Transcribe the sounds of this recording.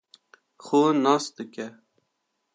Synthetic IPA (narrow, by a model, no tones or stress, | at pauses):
xoːnɑːsd̪ɨkʲɛ